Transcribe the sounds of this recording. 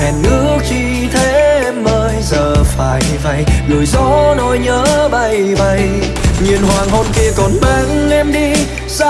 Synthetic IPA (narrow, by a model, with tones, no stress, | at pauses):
ɛ˨˩nŋɨ˧˦ət͡ɕi˧˩ | t̪ʰe˨˧˦ɛ˧mːəː˧jzəː˨˩faː˧˩j | va˧˩jlu˨˩əjzɔ˧˦no˧˩jɲəː˧˦ɓa˧jɓa˧j | ɲi˨˩ənhwaː˨˩ŋɦo˧nki˧əkɔ˨˩nɓa˨˧˩ŋʔɛ˧mɗi˧ | za˧